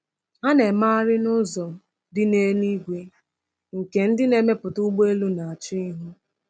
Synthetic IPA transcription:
a˦ne˨ma˦a˦ɾɪ˦nʊ˦zɔ˨m̩˦ | dɪ˦ne˦ni˦ɡʷe˦ | ŋ̩˨ke˨n̩˦dɪ˦ne˨me˦pʊ˨tʊ˦ɡ͡be˦lu˦na˨a˨t͡ʃi˦ɦu˦

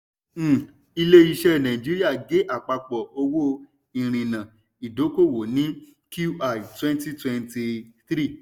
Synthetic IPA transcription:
i˧le˦i˧ʃɛ˦nã˨ĩ˨d͡ʒi˦ɾi˦a˦˨ɡe˨˦ʔa˨k͡pa˧k͡pɔ˨o˧wo˦ | ĩ˨ɾ̃ĩ˨nã˨ | i˨do˨˦ko˦˨wo˨nĩ˨˦ | ku˦ʔa˦˨twɛ̃˦nti˦twɛ˧nti˧θɾi˦˨

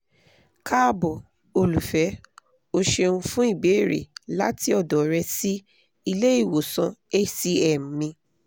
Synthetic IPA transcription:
kʰa˦bɔ˨ | o˧lu˨fɛ˨˦ | o˧ʃe˧ũ˧fũ˦i˦˨be˨˦˨ɾḛ˨la˦ti˦ɔ˦˨dɔ˨ɾɛ˧si˦ | i˧le˦i˦˨wo˨sɔ̃˧e˦si˦ɛ˨m̩˨mĩ˧

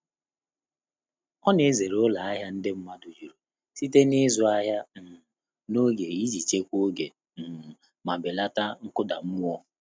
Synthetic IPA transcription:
ɔ˦ne˨˦ze˨ɾʊ˦la˨a˦ɦa˦n̩˦dɪ˦m̩˦ma˦dʊ˨d͡ʒu˨ɾo˨ | si˦te˦nɪ˦zʊ˦a˦ɦa˦m̩˨ | no˦ɡe˨i˦d͡ʒi˨t͡ʃe˦kʷo˦ɡe˨ | ma˨bɪ˨la˦ta˦ŋ̩˦kʊ˦da̰˨m̩˦ŋʷɔ˦

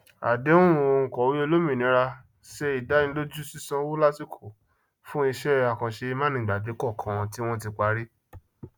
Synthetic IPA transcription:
a̰˨de˨˦õ˦ũ˨˧o˧ŋ̩˨kɔ˨wi˦o˧lo˦mĩ˨nĩ˨˦ɾa˧ | ʃɛ˧i˨da˨˦ĩ˧˦lo˦d͡ʒu˦si˦sã˧˦wo˦la˦si˦˨kʰo˨ | fũ˦i˧ʃɛ˦˧a˨kã˨ʃe˧i˧mã˦nĩ˨ɡ͡ba˨de˨˦kɔ˦˨kʰã˨˧ti˦w̃ɔ̃˦ti˧k͡pa˨˦ɾi˦

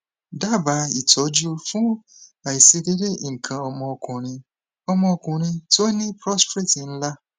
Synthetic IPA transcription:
da˦ba˨˦i˨tɔ˨˦d͡ʒu˦fũ˦a˨i˨si˧de˦de˦˨ŋ̩˨kʰã˨ɔ˧mɔ̃˧ɔ˧˨kʰʊ̃˨ɾ̃ĩ˧ | ɔ˧mɔ̃˦ɔ˧kʊ̃˨ɾ̃ĩ˧to˦nĩ˦pɾɔ˦spɾe˦˨ti˨n̩˦la˦

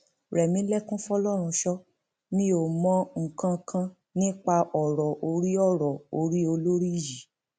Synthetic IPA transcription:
ɾɛ˨mĩ˨˦lɛ˦˨kũ˦fɔ˧lɔ˦˨ɾ̃ũ˧ʃɔ˦ | nĩ˦o˦˨mɔ̃˨˦ŋ̩˨kã˧kʰã˧ | nĩ˦k͡pa˧ʔɔ˨ɾɔ˨ʔo˧ɾi˦ɔ˦˨ɾɔ˨o˧ɾi˦o˧lo˦ɾi˦˨ji˨

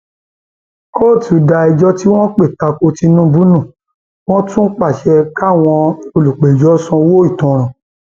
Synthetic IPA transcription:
ko˦˨tu˨˦da˧i˧d͡ʒɔ˦ti˦w̃ɔ̃˦k͡pe˦˨ta˧ko˧ti˧nũ˦bu˦nũ˦˨ | w̃ɔ̃˦tũ˦k͡pa˦˨ʃɛ˧ka˦˨w̃ɔ̃˧o˧lu˨k͡pe˨d͡ʒɔ˨˦sɔ̃˧wo˦i˦˨tɔ̃˨ɾ̃ɔ̃˨

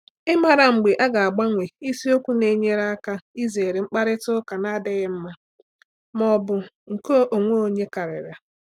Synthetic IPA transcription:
ɪ˦ma˨ɾa˨ŋ͡m̩˨ɡ͡be˨ʔa˦ɡa˨a˨ɡ͡ba˦ŋʷe˨i˦si˦o˦kʷu˦ne˨˦ɲe˦ɾa˦ka˦i˦ze˨ɾe˨ŋ͡m̩˦k͡pa˦ɾɪ˦tʊ˦ka˨na˦dɪ˦ɣɪ˦m̩˦ma˦ | mɔ˦bʊ˦ | ŋ̩˨ko˦ʔo˨ŋʷo˦o˦ɲe˦ka˨ɾɪ̰˨ɾa˨

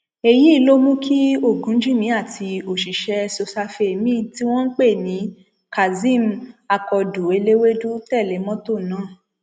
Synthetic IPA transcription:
e˧ji˦i˦˧lo˦mũ˦kʰi˦o˦˨ɡũ˨˦d͡ʒĩ˦˨mĩ˨˧˦a˦˨tʰi˧o˨ʃi˨ʃɛ˧so˧sa˧fe˧e˨mĩː˦˨ti˦w̃ɔ̃˦n̩˦k͡pe˦˨nĩ˨˦ | ka˨zĩ˦˨ma˧kɔ˧du˨e˧le˦we˦du˦tɛ˦˨le˨˦mɔ̃˦to˦˨nãː˨˦˨

